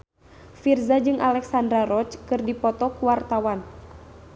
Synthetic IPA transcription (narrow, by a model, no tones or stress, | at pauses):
firzad͡ʒɨŋʔalɛksandɾaɾɔt͡ʃkɨrdipɔt̪ɔkuwart̪awan